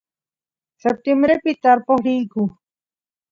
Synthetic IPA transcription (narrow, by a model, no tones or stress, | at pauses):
sep̚t̪embɾepɪt̪aɾpohɾiːkʊ